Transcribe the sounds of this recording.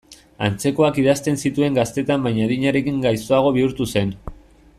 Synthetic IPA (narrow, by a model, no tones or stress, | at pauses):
a̰nt͡se̞ko̞akið̞ast̪e̞nsit̪ue̞ŋɡast̪e̞t̪ambajɲaðiɲaɾe̞kiŋɡajsoaɣ̞o̞β̞iuɾt̪use̞n